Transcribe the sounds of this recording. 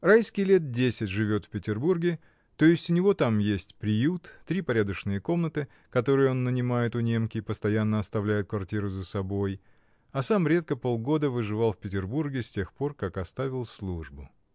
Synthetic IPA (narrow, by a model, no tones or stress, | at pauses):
rajskʲɪjlʲet̪̚dʲesʲɪtʲʐɨvʲo̞t̪fʲpʲɪtʲɪrburɡʲɪ | t̪o̞ɪsʲtʲʊnʲɪvo̞t̪amjesʲtʲpɾʲɪjut̪ːɾʲipɐɾʲad̪əʂnɨjəko̞mnət̪ɨ | kɐt̪o̞ɾɨjo̞nːənʲɪmajɪt̪ʊnʲe̞mkʲɪːpəst̪ɐjanːəɐst̪ɐvlʲæjɪt̪̚kvɐrtʲiɾʊzəsɐbo̞j | ɐsamɾʲe̞t̪̚kəpo̞lˠɡo̞d̪əvɨʐɨvalˠfʲpʲɪtʲɪrburɡʲɪsʲtʲe̞xpo̞rkakɐst̪avʲɪlˠslˠuʐbʊ